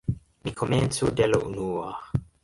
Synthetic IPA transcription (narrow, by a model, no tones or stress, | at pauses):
mikʰoment͡sudela̰ʔṵnua